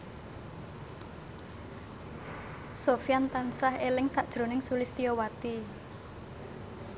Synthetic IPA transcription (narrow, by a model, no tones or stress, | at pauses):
sofjant̪ansahelɪŋsaʔd̥ʒ̥ɾo̤nɪŋsulɪst̪iɔwat̪i